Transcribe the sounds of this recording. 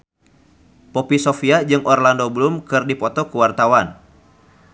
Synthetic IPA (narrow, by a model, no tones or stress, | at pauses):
pɔpisɔfiad͡ʒɨŋʔɔrlandoblumkɨrdipɔt̪ɔkuwart̪awan